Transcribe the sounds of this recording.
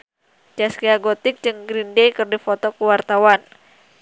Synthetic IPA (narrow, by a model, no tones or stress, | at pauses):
d͡ʒaskiaɡot̪ɪk̚d͡ʒɨŋɡɾindejkɨrdifɔt̪ɔkuwart̪awan